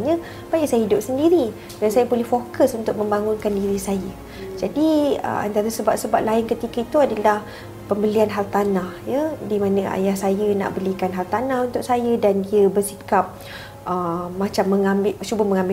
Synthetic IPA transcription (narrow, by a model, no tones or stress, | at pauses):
ɲə̃ | pajiʔsajəɦidʊp̚səndiɾi | dansajəbolɛhfokəsunt̪ʊk̚mə̃mbaŋʊnkandiɾisajə | d͡ʒadiə̰a̰nt̪aɾasəbap̚səbap̚laɪnkət̪ikəit̪uadalah | pəmbəlianɦalt̪anahjədimãnəa̰jahsajəna̰ʔbəlikanɦalt̪anahunt̪ʊk̚sajədandiəbərsikap̚ | ʔəmat͡ʃamːəŋambɪt͡ʃubəməŋãmbɪ